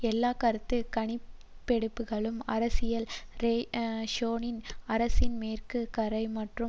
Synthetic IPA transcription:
ɛlːaːkɐɾɯt̪ːɯkɐɳɪ | pːɛɽɯpːɯɣɐɭɯmɐ̰ɾɐsɪjɐlɾeːʂoːnɪnɐɾɐsɪnmeːrkɯkɐɾɐɪmɐʈrɯ

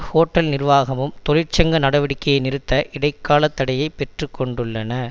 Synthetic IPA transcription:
hoːʈːɐlnɪrʋaːɣɐmɯmt̪ɔlɪrt͡ʃɐŋɡɐnɐɽɐʋɪɽɪkːɐjɐɪnɪɾɯt̪ːɐʔɪɽɐɪkːaːlɐt̪ːɐɽɐjɐɪpːɛʈrɯkːɔɳɖɯɭːɐnɐ

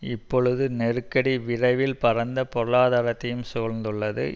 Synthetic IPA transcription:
ɪpːɔɻɯðɯnɛrɯkːɐɽiʋɪrɐɪʋɪlpɐrɐnd̪ɐpɔɾɯɭaːðaːɾɐt̪ːɐjɯmsoːɻnd̪ɯɭːɐðɯ̰

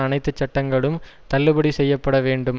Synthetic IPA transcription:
ɐnɐɪt̪ːɯt͡ʃːɐʈːɐŋɡɐɭɯm | t̪ɐlːɯbɐɽisɛjːɐpːɐɽɐʋeːɳɖɯm

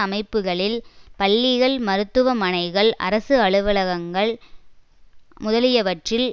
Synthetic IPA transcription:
ɐmɐɪpːɯɣɐɭɪlpɐɭːiɣɐɭmɐɾɯt̪ːɯʋɐmɐnɐɪɣɐɭɐ̰ɾɐsɯɐɭɯʋɐlɐɣɐŋɡɐɭ | mʊðɐlɪjɐʋɐʈrɪl

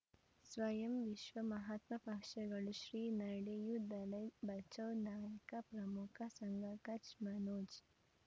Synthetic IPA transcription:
swɐjɐmʋiʃwɐmɐɦɐt̪mɐpɐkʃɐɡɐɭuʃɾinɐɖejud̪ɐlɐjbɐt͡ʃɐwnaːjɐkapɾɐmukʰasɐŋɡakɐt͡ʃmɐnoːd͡ʒ

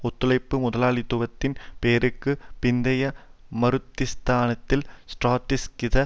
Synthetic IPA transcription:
ɔt̪ːɯlɐɪpːɯmʊðɐlaːɭɪt̪ːʊbɐt̪ːɪnpeːɾɯkːɯpɪnd̪ɐjɐmɐɾɯt̪ːɪst̪aːnɐt̪ːɪlsʈraːʈːɪskɪðɐ

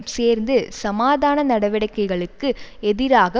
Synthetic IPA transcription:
seːɾnd̪ɯsɐmaːðaːnɐnɐɽɐʋɪɽɐɪkːɐɪɣɐɭɯkːɯɛðɪɾaːɣɐ

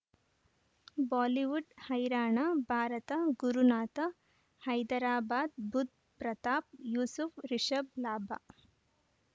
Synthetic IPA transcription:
baːliʋuɖhɐjɾaːɳabʱaːɾɐt̪ɐɡuɾunaːt̪ɐ | hɐjd̪ɐɾaːbaːd̪̚bʱud̪̚ | pɾɐt̪aːp̚juːsufɾiʃɐb̚laːbʱa̰ː

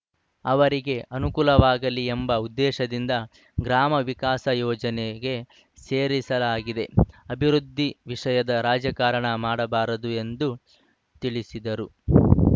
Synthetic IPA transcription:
ɐʋɐɾiɡe̞ʔɐnukuːlɐʋaːɡɐliembɐud̪ːɛːʃɐd̪ind̪ɐ | ɡɾaːmɐʋikaːsɐjɔːd͡ʒɐneɡe̞ | se̞ːɾisɐlaːɡid̪e̞ɐbʱiɾud̪ʱːiʋiʂɐjɐd̪ɐɾaːd͡ʒjɐkaːɾɐɳɐmaːɽɐbaːɾɐd̪ue̞nd̪u | t̪iɭisid̪ɐɾu

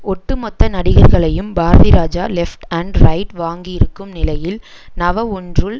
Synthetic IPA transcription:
ɔʈːɯmɔt̪ːɐnɐɽɪɣɐɾɣɐɭɐjɯmbaːɾɐðɪɾaːd͡ʒa̰ːlɛfʈɐɳɖɾɐɪʈʋaːŋɡijɪɾɯkːɯmnɪlɐjɪl | nɐʋɐɔndrɯl

